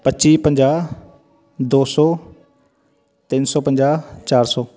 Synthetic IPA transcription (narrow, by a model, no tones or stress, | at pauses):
pət͡ʃiːpə̃ɲd͡ʑaː | d̪oːsɔː | t̪iːnsɔːpə̃ɲd͡ʑaːt͡ɕaːɾsɔː